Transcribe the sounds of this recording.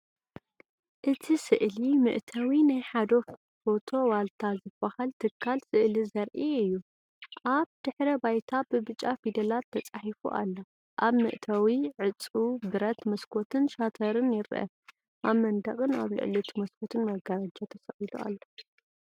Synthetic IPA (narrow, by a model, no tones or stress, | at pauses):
ʔɨt̪ʰisɨʔlimɨ̰ʔt̪ʰɐwinajħad̪o̞ | fo̞t̪ʰo̞walt̪ʰazɨbːɐhalt̪ʰɨkʰːalsɨʔlizɐɾʔiɨjːu | ʔaβd̪̥ɨħɾɐbajt̪ʰabɨbɨt͡ʃʼːafid̪ɐlat̪ʰːɐt͡sʼaħifṵʔa̰lːo | ʔaβmɨ̰ʔt̪ʰawiʕɨt͡sʼubɨɾɐt̪mɐskʰo̞t̪ʰɨnʃat̪ʰɐɾɨnjɪɾʔɐ̰ | ʔaβmɐnd̪ɐχʼɨna̰βlɨ̰ʕlut̪ʰimɐskʰo̞t̪ʰɨnmɐɡɐɾad͡ʒat̪ʰɐsɐxid̪ṵa̰lːo